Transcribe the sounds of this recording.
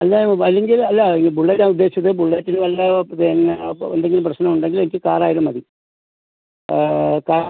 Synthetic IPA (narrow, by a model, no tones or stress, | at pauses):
ɐlːɐɐlːe̞ŋɡilɐlːɐlŋɡibuɭːetːaːnud̪ːe̞ːɕiɐt̪ːebuɭːeːtːinɨʋɐlːɐt̪enend̪eŋɡilumprɐɕnɐmuɳɖe̞ŋɡilenikʲːɨkaːraːjiɾumɐði | kaː